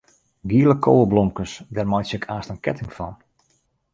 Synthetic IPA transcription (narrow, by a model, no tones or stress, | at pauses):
ɡiəlˠəkʰoːəlˠblɔmkəsdɛrmɔjsəkʰaːstənkɛtɪŋfɔn